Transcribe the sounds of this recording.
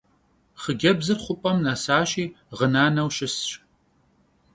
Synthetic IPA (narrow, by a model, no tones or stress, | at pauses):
χəɡʲɐbzɨrχʷʊpʼɐmnasaːʃiː | ʁənaːnɐwɕɪsɕʼ